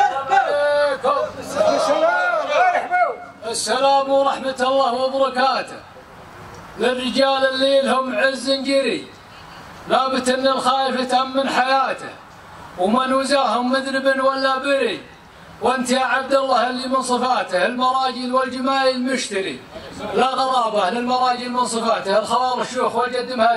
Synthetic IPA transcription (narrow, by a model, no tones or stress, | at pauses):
ʔalekʊmː | ʔasːalaːmwɾˤɑħmat̪ɑlˤːɑːhmʊbɑɾˤɑkaːt̪ʊ̰h | lɪrːɪd͡ʒaːlɪlːiːlhʊmʕɪzːɪnd͡ʒɪɾḭ | laːbɪt̪ʔɪnːɪlxaːjɪfat̪ʔamːanħajaːt̪a̰h | wmanuzaːhʊmːʊd̪ɾɪbɪnwalːabɪɾi | wʔɪnt̪jaʕab̚d̪alːaːhɪlːimɪnsˤɨfaːt̪ahɪlmɑɾˤɑːd͡ʒɪlwɪld͡ʒɪmaːjɪlmʊʃt̪aɾḭlaɣɑɾˤɑːbahlɪlmɑɾˤɑːd͡ʒɪlmɪnsˤɨfaːt̪ahɪlxɑbɑːɾˤʃːuːxwald͡ʒad̪ːɪmha